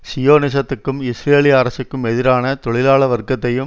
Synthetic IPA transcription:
sɪjoːnɪs̬ɐt̪ːɯkːɯmɪsɾeːlɪaːɾɐsɯkːɯmɛðɪɾaːnɐt̪ɔɭɪlaːɭɐʋɐɾkɐt̪ːɐjɯm

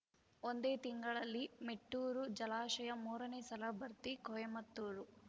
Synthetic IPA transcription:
ond̪eːt̪iŋɡɐɭɐlːimeʈːuːɾud͡ʒɐlaːʃɐjɐmuːɾɐneːsɐlɐbɐɾt̪ikɔjɐmɐt̪ːuːɾu

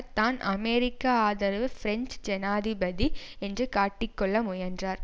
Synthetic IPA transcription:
t̪aːnɐmeːɾɪkːaːðɐɾʋɯfɾɛnt͡ʃd͡ʒɛnaːðɪbɐði | ɛndrɯkaːʈːɪkːɔɭːɐmʊjɐndraːɾ

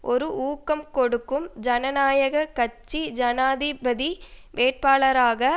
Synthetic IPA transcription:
ʔɔɾɯʔuːkːɐmkɔɽɯkːɯmd͡ʒɐnɐnaːjɐɣɐkɐt͡ʃːid͡ʒɐnaːðɪbɐði | ʋeːʈ̚paːɭɐɾaːɣɐ

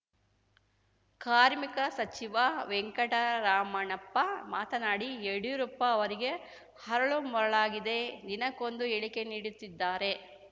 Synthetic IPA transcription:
kaːɾmikɐsɐt͡ʃiʋaʋeŋkɐʈɐɾaːmɐɳɐpːɐmaːt̪ɐnaːɽieɽujuɾuːpːɐːʋɐɾiɡe̞ | hɐɾɐɭumɔɾɐɭaːɡid̪e̞d̪inɐkond̪ueɭike̞niːɽut̪ːid̪ːaːɾe̞

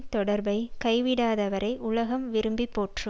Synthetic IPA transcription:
t̪ɔɽɐɾbɐɪkɐɪʋɪɽaːðɐʋɐɾɐɪʔʊlɐɣɐmʋɪɾɯmbipːoːʈrɯ

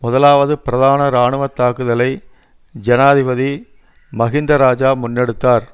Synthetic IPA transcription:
mʊðɐlaːʋɐðɯpɪɾɐðaːnɐɾaːɳɯʋɐt̪ːaːkɯðɐlɐɪ | d͡ʒɛnaːðɪʋɐði | mɐɣɪnd̪ɾɐɾaːd͡ʒaːmʊnːɛɽɯt̪ːaːɾ

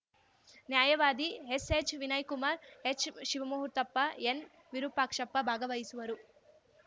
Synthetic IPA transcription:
njaːjɐʋaːd̪iɦeseːt͡ʃʋinɐjkumaːɾet͡ʃʰʃiʋɐmuɦuɾt̪ɐpːɐen | ʋiɾupaːkʂɐpːɐbʱaːɡɐʋɐjisuʋɐɾu

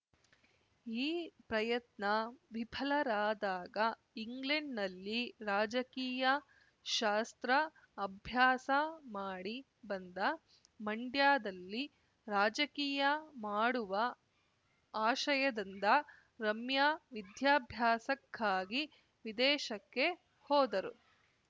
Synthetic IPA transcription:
iːpɾɐjɐt̪nɐʋibʱʰɐlɐɾaːd̪aːɡɐ | iŋɡleɳɖnɐlːiɾaːd͡ʒɐkiːjɐ | ʃaːst̪ɾɐː | bʱjaːsɐmaːɽi | bɐnd̪ɐ | mɐɳɖjaːd̪ɐlːi | ɾaːd͡ʒɐkiːjɐmaːɽuʋɐ | aːʃɐjɐd̪ind̪ɐ | ɾɐmjaːʋid̪jaːbʱjaːsɐkːaːɡi | ʋid̪ɛːʃɐkːe̞ | hɔːd̪ɐɾu

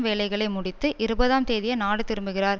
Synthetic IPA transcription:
mʋeːlɐɪɣɐɭɐɪmʊɽɪt̪ːɯʔɪɾɯbɐðaːmt̪eːðɪjɐnaːɽɯt̪ɪɾɯmbɯɣɪraːɾ

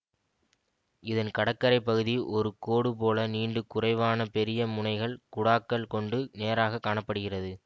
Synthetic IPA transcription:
ɪðɐnkɐɽɐkːɐɾɐɪpːɐɣɯðiʔɔɾɯkoːɽɯp̬oːlɐniːɳɖɯkʊrɐɪʋaːnɐpɛɾɪjɐmʊɳɐɪɣɐɭkʊɽaːkːɐlkɔɳɖɯneːɾaːɣɐkːaːɳɐpːɐɽɯɣɪrɐðɯ

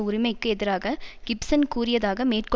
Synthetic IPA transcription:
ʊɾɪmɐɪkːɯɛðɪɾaːɣɐɡ̥ɪpsɐnkuːɾɪjɐðaːɣɐmeːrkɔ

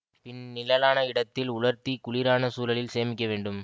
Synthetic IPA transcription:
pɪnnɪlɐlaːnɐɪɽɐt̪ːɪlʊɭɐɾt̪ikʊɭɪɾaːnɐsuːlɐlɪlseːmɪkʲːɐʋeːɳɖɯm

